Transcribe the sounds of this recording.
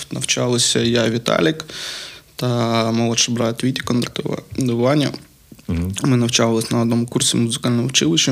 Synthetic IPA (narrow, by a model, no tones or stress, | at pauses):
nɐwt͡ʃalˠɪsʲɐjaʋʲit̪ɑ̰lʲɪk | t̪ɐmɔlˠɔʃɐbɾɑt̪ʲʋʲit̪ʲi̥kɔnt̪ɐk̚t̪ɔʋɐ̰d̪ɔʋɪlˠanʲːɐ | mɪnɐwt͡ʃaʋlˠɪsʲnɐɔd̪nɔmʊkursʲimʊzɪkalʲnɔmɔwt͡ʃɪlˠɪʃt͡ʃɐ